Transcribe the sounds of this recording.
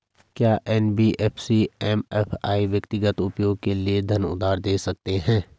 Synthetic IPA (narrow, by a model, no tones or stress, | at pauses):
kjaːʔɛːnbiʔɛːpʰsiɛːmɛːpʰa̰ːiʋjɐkt̪ɪɡət̪ʊpjoːɡ̚kelied̪ʱɐnʊ̰d̪aːɾd̪eːsɐk̚t̪eɦɛ̃ː